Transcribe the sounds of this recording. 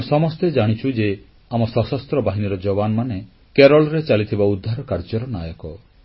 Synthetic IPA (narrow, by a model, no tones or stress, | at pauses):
sɔmɔst̪ed͡ʒaɽ̃it͡ʃʰud͡ʒe | amɔsɔsɔst̪ɾɔbaɦiniɾɔd͡ʒɔbanɔmane | keɾɔlɔɾet͡ʃalit̪ʰibaud̪ʱːaɾɔkaɾd͡ʒɔɾɔnajɔkɔ